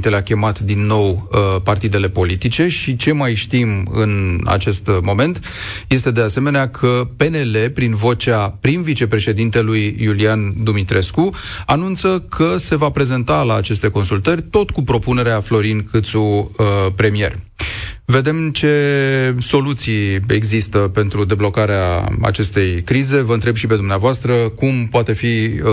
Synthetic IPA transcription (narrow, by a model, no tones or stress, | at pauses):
nt̪eleakʲe̞mat̪d̪inːo̞wəpart̪id̪e̞le̞po̞lit̪it͡ʃe̞ʃit͡ʃe̞majʃt̪imɨ̰na̰t͡ʃe̞st̪mo̞me̞nt̪ | je̞st̪e̞d̪e̞ase̞me̞neakʰəpe̞ne̞le̞pɾinvo̞t͡ʃapɾinvit͡ʃe̞pɾe̞ʃe̞d̪int̪e̞lujːuliand̪umit̪ɾe̞skuanunt̪səkʰəse̞vapɾe̞ze̞nt̪alaːt͡ʃe̞st̪e̞ko̞nsult̪ərʲt̪o̞t̪kupɾo̞pune̞ɾeaflo̞ɾinkʰɨt̪supɾe̞mije̞̰rʲ | ve̞d̪e̞mt͡ʃe̞so̞lut̪sije̞ɡzist̪əpe̞nt̪ɾud̪e̞blo̞kaɾea̰a̰t͡ʃe̞st̪e̞jkɾize̞vəɨnt̪ɾe̞bʃipe̞d̪umneavoast̪ɾəkumpoat̪e̞fi